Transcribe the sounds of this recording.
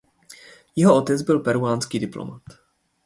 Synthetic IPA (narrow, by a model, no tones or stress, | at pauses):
jɛɦo̞ot̪ɛt͡sbɪlpɛɾuaːnskiːdɪplo̰mat̪